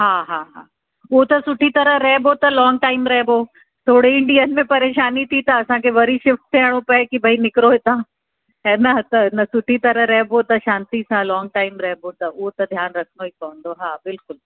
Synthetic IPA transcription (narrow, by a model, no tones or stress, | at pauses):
ɦaːɦaːɦa̰ː | ot̪ɐsʊʈʰit̪ɐɾəɦɾɐɦebʱot̪ɐlɔːŋɡʈaːɪmɾɐɦboː | t̪ʰoːɽeɪ̃ɳɖijənmẽpɐɾeːʃaːnit̪ʰit̪ɐːsãkʰeʋɐɾiʃɪfʈt̪eɦɽ̃opɐkibʱɐinɪkɾoɦet̪ãː | ɛːnɐt̪ɐnɐsʊʈʰit̪ɐɾəɾɐɦbʱot̪ɐʃãːnt̪isãlɔːŋɡ̚ʈaːɪmɾɐɦbot̪ɐʊot̪ɐd̪ʱjaːnɾɐkʰnoikɐə̃nd̪oɦaːbɪlkʊl